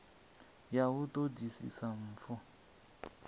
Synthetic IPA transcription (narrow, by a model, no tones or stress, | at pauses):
jawʊtʼodisḭsam̩ːfɔ